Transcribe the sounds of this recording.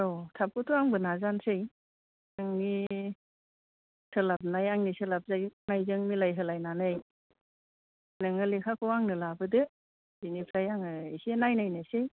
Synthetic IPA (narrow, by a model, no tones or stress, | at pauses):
otʰap̚kɯtʰuaŋbɯnazansɯj | naŋni | sʰɯlap̚najaŋnisɯlap̚zajnajzɯŋmilajɦɯlajnanɯj | nɯŋɯlekʰakʰɯwaŋnɯlabɯdɯ | binipʰɾajaŋɯisenajnajnasɯj